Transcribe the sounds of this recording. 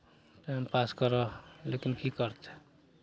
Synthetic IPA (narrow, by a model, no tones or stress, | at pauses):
ʈampaskʌɾʌlekinkikʌɾt̪ʰe̥